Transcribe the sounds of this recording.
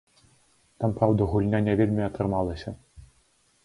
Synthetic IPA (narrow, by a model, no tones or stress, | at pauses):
t̪ampɾawd̪ɐɣulʲnʲanʲɛvʲelʲmʲiɐt̪ɾɨmalˠɐsʲɐ